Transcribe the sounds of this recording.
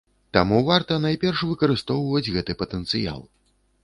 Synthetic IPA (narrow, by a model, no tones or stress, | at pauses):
t̪amuvart̪ɐnajpʲɛrʂvɨkɐɾɨst̪ɔwvɐd͡zʲɣɛt̪ɨpɐt̪ɛnt̪sɨja̰lˠ